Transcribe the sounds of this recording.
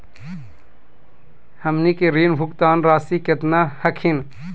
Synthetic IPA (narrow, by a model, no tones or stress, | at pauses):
hɐmnikeɾiːnbʱʊkt̪aːnɾaːsiket̪naːhɐkʰin